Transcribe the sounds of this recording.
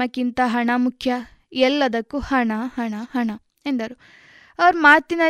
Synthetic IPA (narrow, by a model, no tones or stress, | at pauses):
ɐkːint̪ɐɦɐɳɐmukʰjɐ | ɛlːɐd̪ɐkːuhɐɳɐhɐɳɐɦɐɳɐ | end̪ɐɾu | ɐʋɐɾmaːt̪inɐ